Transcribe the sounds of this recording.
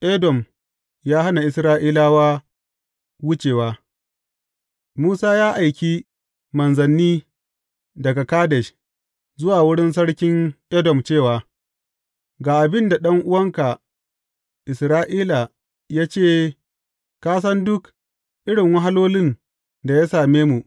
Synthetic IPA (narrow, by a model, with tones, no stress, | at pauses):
ʔɛ˦dɔ˨m | jaː˦ha˦na˨ʔɪ˨sɾaː˦ʔiː˦laː˦waː˦ | wʊ˦t͡ʃeː˨waː˦ | muː˦saː˦jaː˦ʔa˨jkʲi˦ | mɐ˨nzɐ˨nːiː˦ | dɐ˨ɡa˨kaː˦dɛ˨ʃ | zʊ˦waː˨wʊ˦ɽɪ˦ns̬ɐ˦ɽkʲɪ˦ŋtʼɛ˦dɔ˨mt͡ʃeː˦˨waː˨ | ɡaː˨ʔa˨bɪ˦nda˨ɗɐ˦ŋʔʊ˦wɐ˦ŋka˨ | ʔɪ˨sɾaː˦ʔiː˦la˨ | jaː˦t͡ʃeː˦˨ | kaː˦s̬ɐ˦ndʊ˦k | ʔɪ˦ɽɪ˨ŋwɐ˦ɦa˦loː˦lɪ˦n | da˨ja˦saː˨meː˦mu˨ʔ